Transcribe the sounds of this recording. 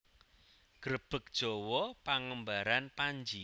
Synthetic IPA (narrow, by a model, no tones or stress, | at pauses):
ɡ̥ɾəb̥ək̚d̥ʒ̥o̤wɔpaŋəmbaɾanpaɲd͡ʒi